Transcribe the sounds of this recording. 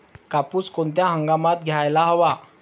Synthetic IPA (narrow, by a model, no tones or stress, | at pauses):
kapuːskoɳt̪jaɦəŋɡamat̪̚ɡʱjajlaɦəʋa